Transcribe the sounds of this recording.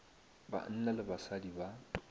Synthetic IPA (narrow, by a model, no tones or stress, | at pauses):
ba̰n̩nalɪbasadiba